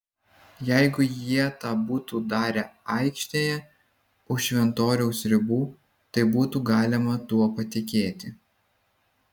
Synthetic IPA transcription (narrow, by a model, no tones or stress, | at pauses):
jæɪɡʊjiɛt̪ɑːbuːt̪uːd̪ɑːɾʲɛɐɪkʃʲt̪ʲeːjɛ | ʊʃʲʋʲɛnt̪oːɾʲɛʊsɾʲɪbuː | t̪ɐɪbuːt̪uːɡɑːlʲɪmɐt̪uɔpɐt̪ʲɪkʲeːt̪ʲɪ